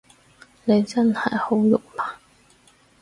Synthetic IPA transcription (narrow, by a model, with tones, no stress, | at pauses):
ne˨˧jt͡sɐ˥nhɐ̰˨˩jho˨˥wjʊ̰˨k̚maː˨˩